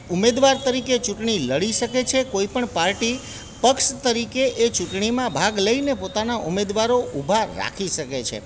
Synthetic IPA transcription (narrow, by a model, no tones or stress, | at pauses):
umed̪ʋaɾt̪əɾiket͡ʃuʈɳiləɽiʃəket͡ʃʰekoipəɳpaɾʈi | pəkʃt̪əɾikeʔet͡ʃuʈɳimãbʱaɡləinepot̪anaʔumed̪ʋaɾoubʱaɾa̰kʰiʃəket͡ʃʰḛ